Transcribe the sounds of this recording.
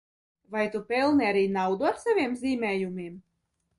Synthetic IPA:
vajt̪upʲɛlˠniaɾiːnawd̪uaɾsavʲiɛmzʲiːmʲɛːjumʲiɛm

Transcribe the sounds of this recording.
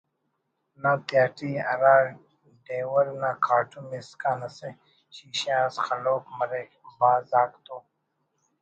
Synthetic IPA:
nat̪jaːʈiːɐ̰ɾaː | ɖeːwəɾnakʰaːʈumiskaːnɐsẽ | ɕiːɕãːsxɐloːkmɐɾeː | baːzaːkt̪oː

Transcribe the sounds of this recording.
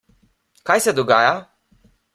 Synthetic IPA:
kajsɛd̪ɔɡaːja

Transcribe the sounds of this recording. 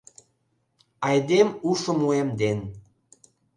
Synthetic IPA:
ɑjd̪emuʃə̆muemd̪en

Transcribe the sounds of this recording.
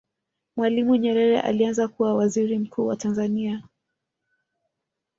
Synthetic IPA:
mwalimuɲɛɾɛɾɛ̰ʔa̰lianzakuwawaziɾim̩kʰuːwatanzania

